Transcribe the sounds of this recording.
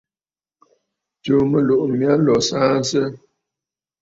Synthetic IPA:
to˨mə˨lo˨ʔmja˦lɔ˨saː˦n̩˦sə˦

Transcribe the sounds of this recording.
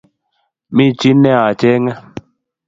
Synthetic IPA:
mi˦t͡ʃi˦nɛ˦a˨t͡ʃɛ˦ŋɛ˦

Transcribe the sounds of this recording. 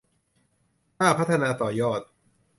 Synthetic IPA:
kaː˥˩pʰa˦˥t̪ʰːa˧naː˧t̪ɔː˨˩jɔː˥˩t̪̚

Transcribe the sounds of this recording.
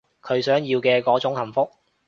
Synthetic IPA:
kʰɵ˨˧ɥsœː˨˥ŋjiː˧wkɛː˧kɔː˨˥t͡sʊ˨˥ŋhɐ˨˩mfʊ˥k̚

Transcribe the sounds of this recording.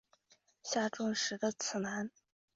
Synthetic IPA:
ɕja˥˩ʈ͡ʂʊ˥ŋʂɻ̩˧˥d̪ə˧t͡sʰɹ̩˨˩na˧˥n

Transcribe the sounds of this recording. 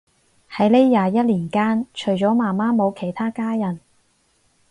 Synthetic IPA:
hɐ˨˥jle˥jːaː˨˧jɐ˥t̚liː˨˩nkaː˥nt͡ʃʰɵ˨˩ɥt͡ʃɔː˨˥maː˨˩maː˥mo˨˧wkʰe˨˩jt̪ʰaː˥kaː˥jɐ˨˩n

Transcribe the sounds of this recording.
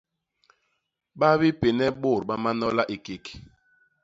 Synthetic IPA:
ɓa˦bi˦pe˨nɛ˦ɓo˦˨ɾɓa˦ma˦nɔ˦la˦ʔi˨ke˨k

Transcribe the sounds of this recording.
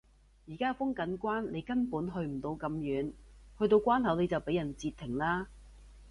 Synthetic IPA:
jiː˨˩kaː˥fʊ˥ŋkɐ˨˥nkʷwaː˥nle˨˧jkɐ˥npuː˨˥nɦɵ˧ɥm̩˨˩t̪o˨˧wkɐ˨˧mjyː˨˥nhɵ˧ɥt̪o˧wkʷaː˥nɦɐ˨˥wne˨˧jt͡sɐ˨wpe˨˥jɐ˨˩nt͡siː˧t̪ʰːɪ˨˩ŋlaː˥

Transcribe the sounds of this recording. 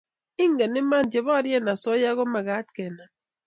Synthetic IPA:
i˦ŋ˦ɡe˨ni˦ma˦˨n˨d͡ʒe˨βɔ˦ɾje˦˨na˨so˦ja˦ɣo˦ma˨ɣa˨˦t̚ke˨na˨

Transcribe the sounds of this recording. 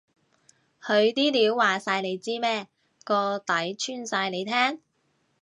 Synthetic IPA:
hɵ˨˧ɥt̪iː˥liː˨˥wːaː˨saː˧jne˨˧jt͡siː˥mɛː˥ | kɔː˧t̪ɐ˨˥jt͡ʃʰyː˥˩nsaː˧jne˨˧jt̪ʰɛː˥ŋ

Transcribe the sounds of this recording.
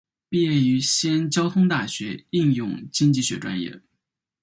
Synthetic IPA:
pi˥˧jɛ˥˩ny˧˥ɕjɛ˥nt͡ɕjɑ˥ʊt̪ʰʊ˥ŋt̪a˥˩ɕɥɛ˧˥i˥˧ŋjʊ˥˧ŋt͡ɕi˥ŋt͡ɕi˥˩ɕɥɛ˧˥ʈ͡ʂwa̰˥njɛ̰˥˩

